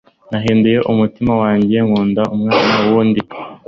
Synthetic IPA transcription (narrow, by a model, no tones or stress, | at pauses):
naɦiːnduje̞ʔumutimawaːɲɟije̞ŋuːndaʔumŋaːnanuwuːndi